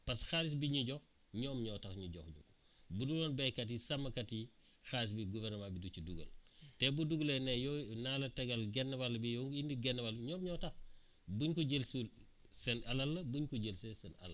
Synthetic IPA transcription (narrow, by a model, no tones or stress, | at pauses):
pɐsxaɾis̬biɲuɟɔx | ɲɔːmɲɔtɐxɲuɟɔ̰xɲṵk | budulɔːnbɛjkɐt̬isɐmːɐkɐti | xaɾis̬biɡuvɛrnɐmabidut͡ʃuduɡɐ̰ltɛbuduɡulenɛjɔnaːlɐtɐɡɐlɡɛnːɐbalːɐbijɔŋɡindiɡɛnːwaliɲɔːmɲɔːtɐx | buɲkuɟelsul | sɛnɐlɐlːɐbuɲkuɟelsesɛnɐ̰lɐ̰